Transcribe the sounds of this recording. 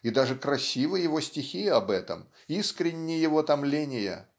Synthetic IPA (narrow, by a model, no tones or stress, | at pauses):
id̪aʐɨkɾɐsʲivɨjjɪvo̞sʲtʲɪxʲiɐbɛt̪ə̰m | iskɾʲɪnʲːɪjɪvo̞t̪amlʲenʲɪjə̰